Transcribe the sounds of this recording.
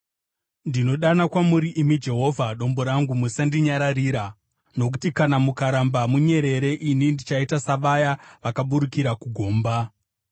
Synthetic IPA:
ndino̞ɗanakwamuɾiʔimid͡ʒe̞ɦo̞vʱaɗo̞mbo̞ɾaŋɡumusandiɲaɾariːɾa | no̞ku̥tikanamukaɾambamuɲe̞ɾe̞ɾe̞ʔinindit͡ʃaitasaʋajaʋakaɓuɾikiɾakuɡʱo̞ːmba

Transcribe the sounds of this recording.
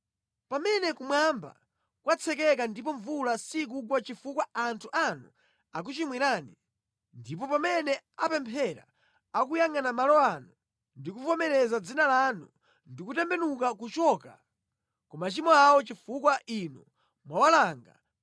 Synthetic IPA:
pamɛnɛkumwamba̰ | kwat͡sʰɛkɛkandipɔɱvulasik̬uɡwat͡ʃifukwaantʰuʔanu | ak̬ut͡ʃimwiɾaːni | ndip̬ɔpamɛnɛapɛmpʰɛɾa̰ | ak̬ujaŋanamalɔanu | ndikuvɔmɛɾɛzad͡zinalanṵ | ndikutɛmbɛnukakut͡ʃɔːka̰ | kɔmat͡ʃimɔawɔt͡ʃifukwaʔinu | mwawalaŋɡa̰

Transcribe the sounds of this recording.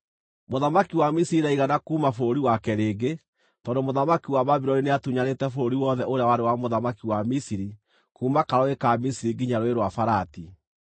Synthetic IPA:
moðamakiwamisiɾinaiɣanakuːmafooɾiwakɛɾeːɡe | tɔːndomoðamakiwaβaβiɾɔnineatuɲaɾetɛfoɾoɾiwɔðɛʔoɾejawaɾewamoðamakiwamisiɾi | kuːmakaɾɔekaːmisiɾiɡiɲaɾoeɾwafaɾati

